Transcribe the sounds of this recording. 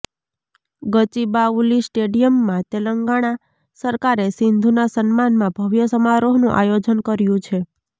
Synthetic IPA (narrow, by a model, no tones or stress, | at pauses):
ɡət͡ʃibaulisʈeɖijəmːãt̪eləŋɡaɽ̃a | səɾkaɾesɪnd̪ʱunasənmanmãbʱəʋjəsəmaɾoɦnṵ̃ʔa̰jod͡ʒənkəɾjũt͡ʃʰe